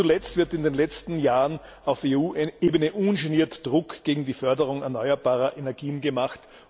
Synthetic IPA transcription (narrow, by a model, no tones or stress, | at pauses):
t͡sulɛt͡stv̥ɪɐtɪndeːnlɛt͡stn̩jaːʁən | aʊfeuːʔeːbənəʔunʃɪniːɐtd̥ʁʊkɡ̥eːɡŋ̩diːfœɐdəʁʊŋɛɐnɔʏɐbaːʁɐʔenɛɐɡiːənɡəmaχt